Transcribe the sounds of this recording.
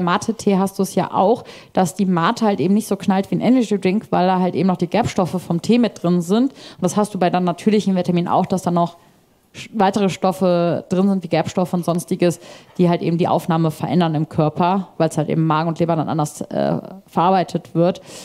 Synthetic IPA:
maːtʰətʰeːɦast̚d̥uːɛsja̰ːʔa̰ʊx | d̥asd̥iːmaːtʰəhaltʔeːbm̩nɪçtz̥oːknaltv̥iːnʔɛnɐɡidʁɪŋkv̥aɪldaːɦaltʔḛːbm̩nɔχd̥iːɡɛɐpʃtɔfəfɔmtʰeːmɪt̚d̥ʁɪnzɪntʔʊntd̥ashastd̥uːbaɪdːnatʰyːɐlɪçm̩vetʰaɐmiːnʔa̰ʊxd̥asd̥aːnɔχ | vaɪtəʁ̞əʃtɔfəd̥ʁɪnzɪntv̥iːɡɛɐpʃtɔfəʊntz̥ɔnstɪɡəsd̥iːhaltʔḛːbm̩diːʔa̰ʊfnaːməfɛɐʔɛ̰ndɐnɪmkʰœɐpɐvaɪlshaltʔḛːbm̩mːaːɡŋ̩ʊntleːbananʔa̰ndɐsʔɛ̰ːfɛɐʔaːɐbaɪtʰətv̥ɪɐt

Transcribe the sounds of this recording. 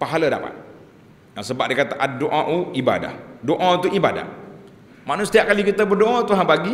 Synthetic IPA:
paɦaləda̰pa̰t̪̚ | nasəbaʔ̚dikat̪aʔadoʔaʔuiba̰da̰hdoʔat̪uʔibada̰h | maʔnusə̥t̪iaʔ̚kalikit̪əbərdoʔat̪uɦãpaɡi

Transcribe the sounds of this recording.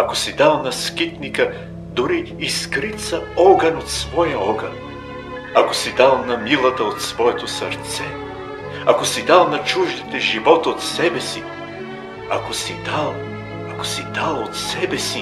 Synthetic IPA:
ɐkosid̪alˠnɐskit̪nikə | d̪ʊɾiːskɾit̪sɐɔɡənot̪svɔjəɔɡən | ɐkosid̪alˠnɐmilˠət̪əot̪svɔɛt̪osɐɾt̪sɛ | ɐkosid̪alˠnɐt͡ʃuʒd̪it̪ɛʒivɔt̪ot̪sɛbɛsi | ɐkosid̪alˠ | ɐko̥sid̪alˠot̪sɛbɛsi

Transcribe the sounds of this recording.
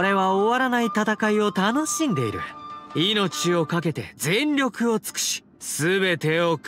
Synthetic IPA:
oɾe̞βaoβaɾanait̪at̪akaio̞t̪ano̞ɕĩnd̪e̞ḭɾɯ̟̰ino̞t͡ɕio̞kak̬e̞t̪e̞̰zẽ̞nɾʲo̞kɯ̟o̞t͡sɨ̥kɯ̟̥ɕi̥ | sɨbe̞t̪e̞ok

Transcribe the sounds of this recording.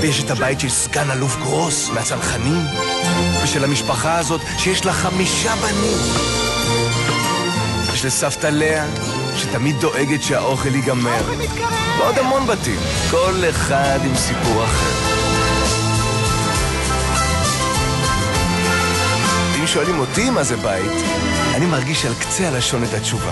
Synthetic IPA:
jeʃet̪habajitʃelskanalufɡʁo̞smeat͡salχanim | veʃelhamiʃpaχaːzo̞t̪ʃejeʃlaχamiʃabanim | jeʃlesaft̪ale̞a | ʃet̪amid̪̚ːo̞ʔeɡetʃeaʔo̞χeliɡame̞ʁ | veod̪amo̞nbatḭm | ko̞le̞χad̪imsipuʁaχe̞̰ʁ | imʃo̞alimo̞t̪imazebaḭt̪ | animaʁɡiʃalkt͡sealaʃo̞net̪at͡ʃuva̰

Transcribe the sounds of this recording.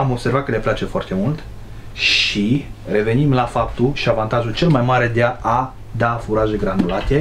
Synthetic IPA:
amo̞bse̞rvat̪̚kəle̞plat͡ʃe̞foart̪e̞mult̪ | ʃire̞ve̞nimlafap̚t̪uʃiavant̪aʒult͡ʃe̞lmajmaɾe̞d̪eaa | d̪afuɾaʒe̞ɡɾanulat̪e

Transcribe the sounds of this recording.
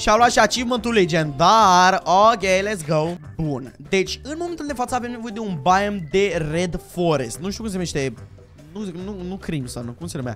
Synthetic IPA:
ʃiavluat̪ʃiat͡ʃivmənt̪uled͡ʒend̪aɾokʲelɛt̪sɡow | bund̪et͡ʃʲɨnmoment̪uld̪e̞fat̪səavemnevo̞jed̪eũnbaemd̪ered̪foɾest̪̚nuʃt̪iukumsemeʃt̪e | nununukɾimsankumseemja̰

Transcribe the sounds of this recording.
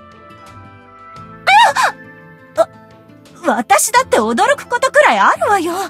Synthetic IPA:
a | βat̪aɕid̪at̪ːe̞o̞d̪o̞ɾo̞kɯ̟̥ko̞t̪o̞kɯ̟ɾaiaɾɯ̟βajo

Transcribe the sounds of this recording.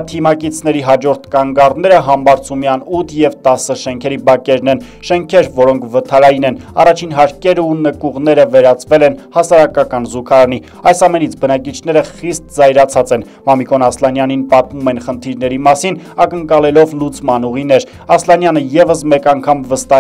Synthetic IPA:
t̪ʰimɑkit͡sʰnɛɾiɦɑd͡ʒɔɾt̪ʰkɑŋɡɑrnɛɾəɦɑmbɑɾt͡sʰumjɑnut̪ʰjɛvt̪ɑsːəʃɛŋkʰɛɾibɑkɛɾnɛn | ʃɛŋkʰɛɾvɔɾɔŋkʰvət̪ʰɑɾɑjinɛnɑ̰rɑt͡ʃʰinɦɑɾkɛɾunəkuʁn̪ɛɾəvɛɾɑt͡svɛlɛnhɑsɑɾɑkɑkɑnzukʰɑɾɑni | ɑjsɑmɛnit͡sʰbənɑk̬it͡ʃʰnɛɾəχist̪̚zɑjɾɑt͡sʰɑt͡sɛn | mɑmikɔnɑslɑnjɑninpɑt̪̚mumɛnχənt̪ʰiɾnɛɾimɑsinɑkəŋkɑlɛlɔvlut͡smɑnuʁinɛɾ | ɑslɑnjɑnəjɛvəsmɛkɑŋkʰɑmvəst̪ɑ

